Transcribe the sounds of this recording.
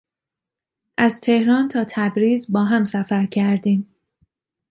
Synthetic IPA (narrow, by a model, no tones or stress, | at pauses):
ʔæzt̪ʰe̞hɾɒːnt̪ʰɒːt̪ʰæbɾiːzbɒːɦæmsæfæɾcʰæɾd̪iːm